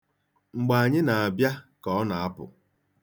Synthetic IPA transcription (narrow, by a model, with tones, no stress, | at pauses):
ŋ͡m̩˨ɡ͡ba˨a˨ɲɪ˦na˨a˨bja˦kɔ˨ɔ˦na˨a˦pʊ̰˨